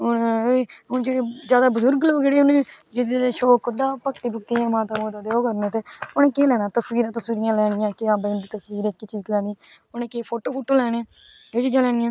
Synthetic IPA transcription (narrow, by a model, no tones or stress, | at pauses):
ʊnɦʊnd͡ʒeːɽeːd͡ʒjaːd̪aːbʊzʊɾɡloːd͡ʒeːɽeːʊnẽːd͡ʒɪd̪eːʃoːkʰʊd̪aːpəkt̪iːbʊk̚t̪iːɛ̃ːmãːt̪ãːboːt̪ãːd̪eoːkəɾnẽːt̪eːʊnẽːkeːlɛːɽ̃aːt̪əsʋiːɾãːt̪əsʋiːɾɪjãːlɛːɽ̃ɪjãːkɪaːbə̃ːnd̪it̪əswiːɾeːkːit͡ʃiːzlɛːniː | ʊneːkeːpʰoːʈoːpʰoːʈoːlɛːɽeː | eːd͡ʒid͡ʒãːlɛːɽ̃ɪjãː